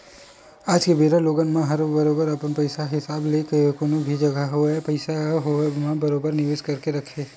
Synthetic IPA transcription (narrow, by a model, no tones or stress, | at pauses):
aːd͡ʒkebeːɾaloːɡənmẽɦɐɾbɐɾoːbəɾɐpənpəɪsaɦɪsaːblekəkonobʱid͡ʒɐɡaɦoɛpɐɪsaɦomãbɐɾoːbəɾnɪʋed͡ʒkɐɾkeɾɐkʰeː